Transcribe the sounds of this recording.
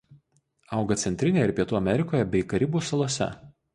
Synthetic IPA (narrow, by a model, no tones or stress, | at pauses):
ɐʊɡɐt̪sʲɛnʲt̪ʲɾʲɪnʲeːɪɾpʲiɛt̪uːɐmʲɛɾʲɪkoːjɛbʲɛɪkɐɾʲɪbuːsɐlˠuɔsʲɛ̰